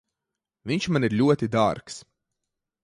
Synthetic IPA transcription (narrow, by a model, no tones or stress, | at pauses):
viɲʲʃmaniɾlʲuɔt̪id̪aɾks